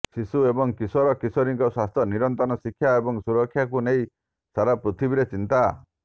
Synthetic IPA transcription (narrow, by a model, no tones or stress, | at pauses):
sisuebɔŋkisɔɾɔkisɔɾiŋkɔswast̪ʰɔniɾɔnt̪ɔnɔsikʰːjaebɔŋsuɾɔkʰːjakunej | saɾapɾit̪ʰibiɾet͡ʃint̪a